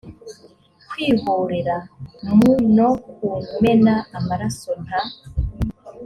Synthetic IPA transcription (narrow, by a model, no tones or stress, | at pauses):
kwiːβuːɾeɾanmunokume̞naːmaɾason̥a